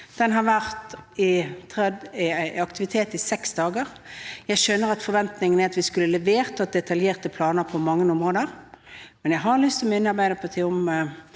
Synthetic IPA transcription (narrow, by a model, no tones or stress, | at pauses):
d̪̥ɛnɦɑɾʋæʁt̪ɪt̪ʰɛ | ɑkt̪ɪʋɪt̪ʰeːt̪ɪsɛksd̪ɑːɡəʁ | jæɪʃønːəʁɑt̪fɔɾʋɛnt̪nɪŋənæɾɑt̪ʋɪskʉlːəlɛʋeːʁt̪ɑt̪̚d̪ɛt̪ɑljeːʁt̪əpʰlɑːnəɾpʰɔmɑŋːənʊmʁoːd̪əʁmɛnjæɪɦɑlʏst̪ʰɪlɔɪnːɑʁbæɪd̪əpʰɔt̪ʰɪʊmə